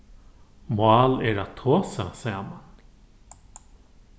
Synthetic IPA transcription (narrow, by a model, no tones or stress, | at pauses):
mwaːlɛɾat̪ʰːoːsasɛaman